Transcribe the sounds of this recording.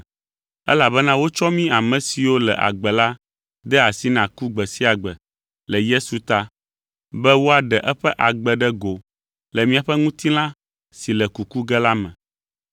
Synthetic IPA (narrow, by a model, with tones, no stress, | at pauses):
ɛ̰˦la˨bɛ˦nã˦wo˦t͡ʃɔ˦mĩ˦a˨mɛ̃˨si˨wo˦lɛ̰˨ʔa̰˨ɡ͡bɛ˨la˦ | d̪ɛ˦a˨si˦nã˨ku˦ɡ͡bɛ˨si˦a˨ɡ͡bɛ˨ | lɛ˨je˦su˨t̪a˦ | bɛ˦wo˦a˨ɖɛ˨ʔɛ˦ɸɛ˦ʔa˨ɡ͡bɛ˨ɖɛ˦ɡo˨ | lɛ˨mĩ˦a˨ɸɛ˦ŋũ˦t̪i˦l̃ã˦ | si˨lɛ˨ku˨ku˦ɡɛ˦la˦mɛ̰̃˨